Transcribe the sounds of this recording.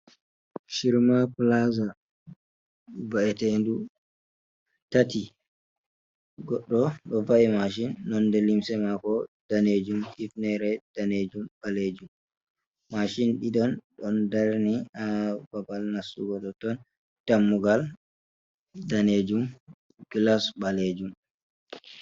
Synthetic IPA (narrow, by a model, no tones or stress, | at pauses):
ʃiɾmaplaza | baɛtendu | tati | ɡɔɗːɔɗɔvaimaʃ̬inːɔndɛlimsɛmakɔd̥aned͡ʒumifnɛɾɛd̥aned͡ʒumbaled͡ʒumː | aʃinɗiɗɔnɗɔndaɾniababalnasuɡɔɗɔtɔn | tamːuɡal | daned͡ʒum | ɡlasbaled͡ʒum